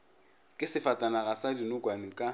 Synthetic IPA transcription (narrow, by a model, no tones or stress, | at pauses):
kʼɪsɪfatʼanaɣasadinʊkʼwanɪkʼa